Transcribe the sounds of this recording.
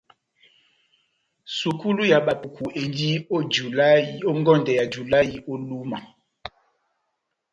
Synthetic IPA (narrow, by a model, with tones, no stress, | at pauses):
su˨ku˦lu˦ja˨ɓa˨pu˨kʰu˨e˨ndi˦o˦d͡ʒu˨la˦i˨o˦ŋɡɔ˦ndɛ˨ja˨d͡ʒu˨la˦ji˨o˦lu˦ma˨